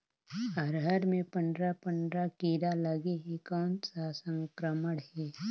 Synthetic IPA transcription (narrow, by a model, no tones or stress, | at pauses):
əɾɦəɾmẽpə̃nɖɾapə̃nd̪ɾakiːɾaləɡeɦikɔːnsasə̃ŋkɾəməɽɦɛː